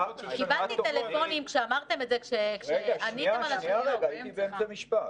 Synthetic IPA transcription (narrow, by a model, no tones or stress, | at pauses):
kibalt̪it̪elefo̞nimkʃe̞amaʁt̪e̞metzekʃekʃeɡanit̪emalaʃeɡaiibeemt͡samiʃpat